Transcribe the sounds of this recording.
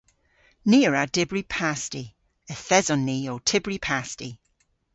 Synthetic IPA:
niːəɹadɪbɹipʰasti | əθɛzɔnːiːotʰɪbɹipʰasti

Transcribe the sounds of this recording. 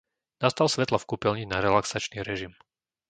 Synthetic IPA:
nast̪alsʋɛt̪lɔfkupilɲinaɾɛlaksat͡ʃniːɾɛʒim

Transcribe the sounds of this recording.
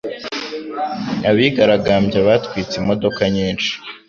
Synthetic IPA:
aβiɡaɾaɡaːmbɟaβatkwiːt͡simo̞do̞kaɲiːnʃi̥

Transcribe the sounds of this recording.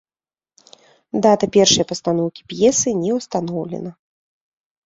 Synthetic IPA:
d̪at̪ɐpʲɛrʂɐjɐpɐst̪anɔwkʲi̥pjɛsɨnʲɛwst̪anɔwlʲɛ̰nɐ

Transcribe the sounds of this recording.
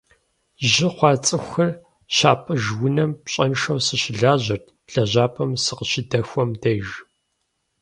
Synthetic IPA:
ʒɪχʷɑːt͡sʼɨxʷɐr | ɕaːpʼɐʒwʊnɐmpɕʼɐnʂɐwsɨɕɪɮaːʑɐrtʰɬɐʑaːpʰʼɐmsɨqəʃɪdɐxʷɔmdɐjʒ

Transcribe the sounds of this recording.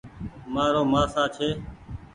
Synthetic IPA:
maːɾoːmãːsãːt͡ʃʰeː

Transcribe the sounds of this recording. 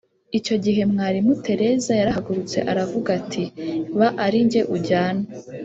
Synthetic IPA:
ico̞ɟiɦe̞mŋaːɾimutʰe̞ɾe̞zajaɾahaɡuɾut͡se̞̰ʔaɾavuɡatʰiβaʔaɾiɲɟe̞ʔuɟaːna

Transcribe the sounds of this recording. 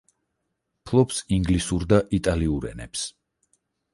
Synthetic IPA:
pʰlˠɔpsiŋɡlisuɾd̪aʔit̪ʼaliuɾɛ̰nɛ̰ps

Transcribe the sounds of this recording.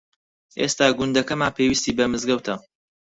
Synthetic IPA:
ʔḛːst̪aːɡʊnd̪ɐkɐmaːnpʰeːwist̪iːbɐmɨzɡɐwt̪ʰɐ

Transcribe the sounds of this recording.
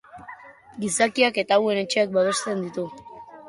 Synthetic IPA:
ɡisakiake̞t̪aːwe̞ne̞t͡ʃe̞ak̚baβe̞st̪e̞nd̪it̪u

